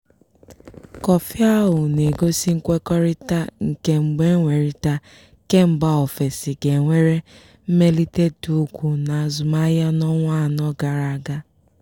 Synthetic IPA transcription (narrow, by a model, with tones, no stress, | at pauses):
kɔ˨fja˦ɦʊ˨ne˨ɡo˦si˦ŋ̩˦kʷe˦kɔ˦ɾɪ˦ta˦ŋ̩˨ke˦ŋ͡m̩˨ɡ͡be˦ŋʷe˨ɾi˦ta˦ | ke˦m̩˨ba˦ɔ˨fe˨si˨ɡe˨ŋʷe˦ɾe˦ | m̩˦me˦li˦te˦tu˨˦kʷu˨na˨zʊ˨ma˦ja˦nɔ˦ŋʷa˦˨nɔ˦ɡa˨ɾa˨a˨ɡa˦